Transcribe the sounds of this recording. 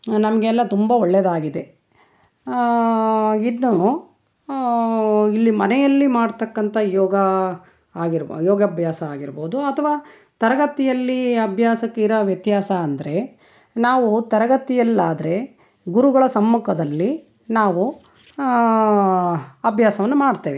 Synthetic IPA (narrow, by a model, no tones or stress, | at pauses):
nɐmɐɡeːlːɐt̪umbɐɔɭːɛd̪aːɡid̪e̞ | inːu | ilːimɐnɛjɐlːimaːɖt̪ɐkːɐnt̪ʰɐjɔːɡɐ | aːɡiɾjɔːɡɐbʱjaːsɐaːɡiɾboːd̪uɐt̪ʰɐʋaː | t̪ɐɾɐɡɐt̪ijɐlːiɐbʱjaːsɐkːeiɾɐʋjɐt̪jaːsɐːnd̪ɐɾe̞ | naːʋut̪ɐɾɐɡɐt̪ijɐlːaːd̪ɐɾe̞ | ɡuɾuɡɐɭɐsɐmːukʰɐd̪ɐlːi | naːʋu | ɐbʱjaːsɐʋɐnːumaːɖt̪eːʋe